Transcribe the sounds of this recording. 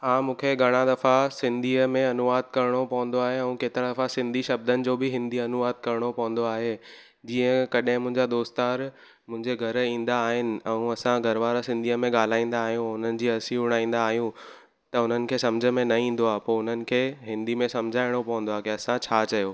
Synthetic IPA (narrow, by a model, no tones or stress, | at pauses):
ɦãːmũːkʰeɡʱɐɽ̃ad̪ɐfasɪ̃nd̪ʱiːəmẽɐnʊʋaːd̪̚kɐɾɪɽ̃opɐɦʊ̃n̆d̪oaːɦeɛ̃ũkeːt̪ɪɾad̪ɐfasɪ̃nd̪ʱiʃɐb̚d̪ənɪ̆d͡ʑoːbɪɦɪ̃nd̪ʱiɐnʊʋaːd̪̚kɐɾɪɽ̃opɐɦn̆d̪oaːɦe | d͡ʑiːə̃kɐɗɦɪ̃mʊ̃ɦɪ̃ɲd͡ʑad̪oːst̪aːɾ | mʊ̃ɦɪ̃ɲd͡ʑeɡʱɐɾĩːn̆d̪aːɦɪnɪ̆ɛ̃ũɐsãɡʱɐɾʋaːɾasɪ̃nd̪ʱiːəmẽɠaːl̤aːĩːn̆d̪aːɦijũʊn̤ənɪ̆d͡ʑiːɐsiʊɽ̃aːĩːn̆d̪aːɦijũ | t̪ɐʊn̤ənɪ̆kʰeːsɐmd͡ʑʱə̆mẽnɐĩːn̆d̪oaːɦpoːʊn̤ənɪ̆kʰeːɦɪ̃nd̪imẽsɐmd͡ʑʱaːɪɽ̃opɐɦə̃n̆d̪oaːkeɐsãt͡ɕʰaːt͡ɕɐjoː